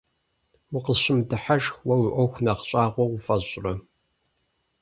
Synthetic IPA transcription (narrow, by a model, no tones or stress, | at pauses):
wʊqəɕɪmdɨħaʒxwɐwɪʔʷɔxʷnɐqɕʼaːʁʷɔwʷʊfɐɕʼrɐ